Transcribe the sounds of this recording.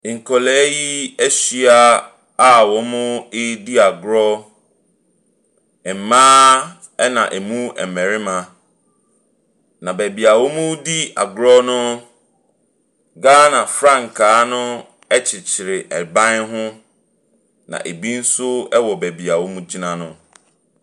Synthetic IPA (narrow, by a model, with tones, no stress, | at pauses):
ŋ̩˨kʰɔ˨lɛː˨˦ji˦ɛ˦ɕi˦a˦ | a˦wɔ˨˦mʊ̃˦ɪ˦di˦a˨ɡɾɔ˦ | ɛ˨m̩˨mãː˦ | ɛ˦nã̰˨ʔɛ˨mũ˦ɛ̰˨mɛ̃˨ɾɪ˦mã˨ | nã˨bæ˨bi˨a˨wo˦mʊ̃˦di˦a̰˨ɡɾɔ˦nʊ̃˦ | ɡaː˦nã˨fɾã˦˨ŋ˨kʰaː˨˦nʊ̃˦ | ɛ˦t͡ɕʰɪ˨t͡ɕʰɪ˨ɾɪ˨ʔɛ˨bã˦nɦʊ̃˦ | nã̰˨ʔe˨bi˦n̩˦sʊ˦ɛ˦wɔ˨bæ˨bi˨a˨wo˦mũ˦d͡ʑi˦nã˦nʊ̃˦